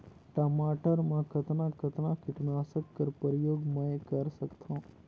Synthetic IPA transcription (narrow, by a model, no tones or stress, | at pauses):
ʈəmaʈəɾmãkət̪nakət̪nãkɪʈnaːsəkːəɾpəɾjoːɡmə̃ekəɾsəkt̪ʰõ